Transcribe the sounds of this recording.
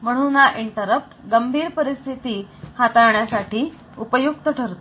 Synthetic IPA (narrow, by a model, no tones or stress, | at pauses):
m̤əɽ̃unaʔiɳʈəɾəp̚tːɡəmbʱiːɾpəɾist̪ʰit̪iːhat̪aɾɳjasaʈʰiː | upəjuk̚t̪əʈʰəɾt̪o